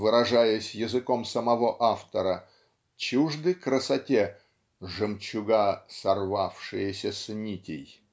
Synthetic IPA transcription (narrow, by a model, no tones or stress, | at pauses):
vɨɾɐʐajəsʲjɪzɨko̞msəmɐvoʔaft̪əɾə | t͡ɕuʐd̪əjkɾəsɐtʲe | ʐɨmt͡ɕʊɡasɐrvafʂɨjəsʲəsnʲitʲɪj